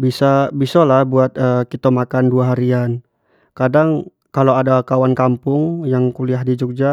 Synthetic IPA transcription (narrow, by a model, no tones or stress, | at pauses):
bisabisalahbuat̪̚əkit̪amakanduaɦaɾian | kadaŋ | kaloadakawankampʊŋjaŋkuliaɦdid͡ʒuk̚d͡ʒa